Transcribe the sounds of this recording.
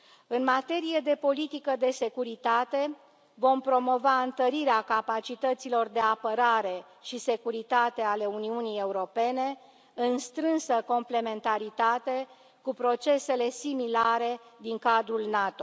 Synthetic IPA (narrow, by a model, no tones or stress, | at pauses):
ɨnmat̪e̞ɾije̞d̪e̞po̞lit̪ikəd̪e̞se̞kuɾit̪at̪e̞ | vo̞mpɾo̞mo̞vaɨnt̪əɾiɾeakapat͡ʃit̪ət̪silo̞rd̪e̞apəɾaɾe̞ | ʃise̞kuɾit̪at̪e̞ale̞uniunije̞uɾo̞pe̞ne̞ | ɨnst̪ɾɨnsəko̞mple̞me̞nt̪aɾit̪at̪e̞ | kupɾo̞t͡ʃe̞se̞le̞similaɾe̞d̪iŋkad̪ɾulnat̪o̞